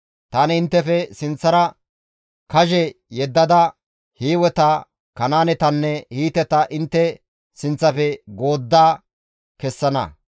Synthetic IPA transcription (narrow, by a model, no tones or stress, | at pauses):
t̪aːnɪɪnt̪ːɛfɛsɪnt͡sːɐɾɐ | kɐʒɛjɛd̪ːɐd̪ɐ | hiːwɛt̪ɐ | kɐnaːnɛt̪ɐnːɛhiːt̪ɛt̪ɐʔɪnt̪ːɛ | sɪnt͡sːɐfɛɡo̞ːd̪ːaː | kɛsːɐnɐ̰